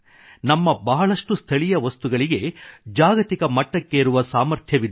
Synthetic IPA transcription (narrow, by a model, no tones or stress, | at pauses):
nɐmːɐbɐɦɐɭɐʂʈust̪ʰɐɭijɐʋɐst̪uɡɐɭiɡe̞d͡ʒaːɡɐt̪ikɐmɐʈːɐkːeːɾuʋɐsaːmɐɾt̪ʰjɐʋid̪